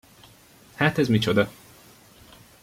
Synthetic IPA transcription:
haːt̪ɛzmit͡ʃod̪ɒ

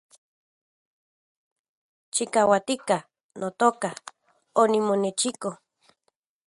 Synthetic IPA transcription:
t͡ʃikawat̪ikah | nʔot̪oːka | onimonet͡ʃiko

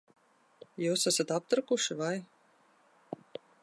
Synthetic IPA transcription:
juːsasat̪ap̚t̪ɾɨkuʃivaj

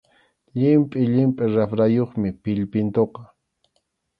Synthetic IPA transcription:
ʎɪmpʼɪʎɪmpʼɪɾafɾajoχmɪpɪʎpɪnt̪oqɑ

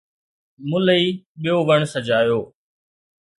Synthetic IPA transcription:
mʊləiːɓijoːʋəɳ̃səd͡ʒaːjoː

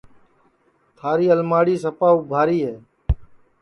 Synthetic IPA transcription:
t̪ʰaːɾiːəlmaːɽiːsəpaːubʱaːɾiːɦɛː

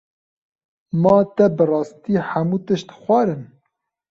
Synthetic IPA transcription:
mɑːt̪ɛbɨrɑːst̪iːħæmuːt̪ɨʃt̪xʷɑːɾɨn

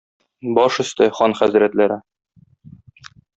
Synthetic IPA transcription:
bɒʃɵ̆st̪ɘχɒnχæzɾæt̪læɾɘ

